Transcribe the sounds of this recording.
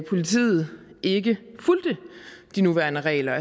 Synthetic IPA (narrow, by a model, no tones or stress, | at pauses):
pʰo̝lit͡sʰḭːð̞̩ˠʔe̝ɡəfuld̥əd̥inuʋæɐnəʁɛ̰ːɪlɐæ